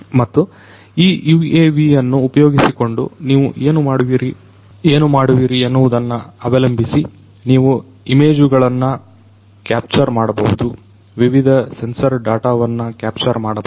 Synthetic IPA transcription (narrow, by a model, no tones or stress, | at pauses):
mɐt̪ːu | iːueːʋijɐnːuːpɐjo̞ːɡisiko̞ɳɖṵniːʋṵʔeːnumaːɽuʋiːɾi | eːnumaːɽuʋiɾiɐnːuʋud̪ɐnːɐɐbɐlɐmbʱisi | niːʋu | ime̞ːd͡ʒuɡɐɭɐnːɐ | kaːp̚t͡ʃɐɾmaːɽɐbɐɦud̪u | ʋiʋid̪ʱɐse̞nsɐɾɖaːʈaːʋɐnːɐkaːp̚t͡ʃɐɾmaːɽɐ